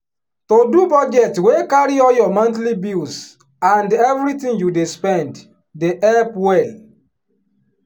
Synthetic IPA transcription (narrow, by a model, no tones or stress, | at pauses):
todubɔd͡ʒɛtwekaɹiɔjɔmãntlibils | ãndɛvɹitĩŋjudespɛ̃nd | deʔɛlpwɛl